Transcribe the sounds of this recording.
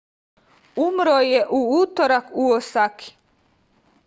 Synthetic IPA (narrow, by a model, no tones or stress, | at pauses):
umɾojeʔuuːt̪oɾakuosakʰi̥